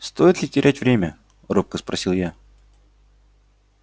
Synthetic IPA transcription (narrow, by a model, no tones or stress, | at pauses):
st̪o̞jɪt̪lʲɪtʲɪɾʲʔætʲvɾʲemʲə | rop̚kəspɾɐsʲilˠja